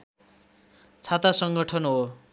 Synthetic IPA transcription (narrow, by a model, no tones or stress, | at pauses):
t͡sʰat̪asʌŋɡʌʈʰʌnɦo